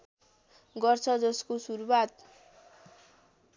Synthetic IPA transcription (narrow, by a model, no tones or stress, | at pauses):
ɡʌrt͡sʰʌd͡zʌskosuɾuwat̪